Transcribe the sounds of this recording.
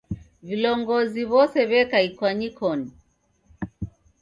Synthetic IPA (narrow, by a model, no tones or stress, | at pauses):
vilɔŋɡɔziβɔsɛβɛkaikwaɲikʰɔni